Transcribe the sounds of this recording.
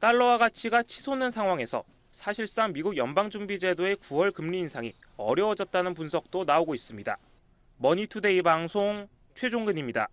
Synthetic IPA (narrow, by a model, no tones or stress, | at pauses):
t͈aɭːʌwaɡat͡ɕʰiɡat͡ɕʰisʰonɯnsʰaŋɦwaŋe̞sʰʌ̰ | sʰaɕʰiɭs͈aŋmiɡuɡjʌnbaŋd͡ʑuŋbid͡ʑe̞doe̞kuwʌɭkɯmʎiːnsʰaŋḭ | ʌ̰ɾjʌːd͡ʑʌt̚t͈anɯnpunsʰʌk̚t͈onaoɡois͈ɯmɲida̰ | mʌɲitʰude̞ibaŋsʰoŋ | t͡ɕʰwe̞d͡ʑoŋɡɯɲimɲida̰